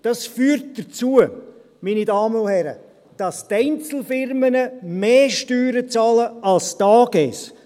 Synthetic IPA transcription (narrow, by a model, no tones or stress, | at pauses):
d̥ɑsfyːɾt̚d̥ət͡suə | miːnidɑːmənʊhɛɾə̰ | d̥ɑstɛɪnt͡sl̩fɪrmənəmeːʃtyːɾət͡sɑːləɑlstɑːɡɛs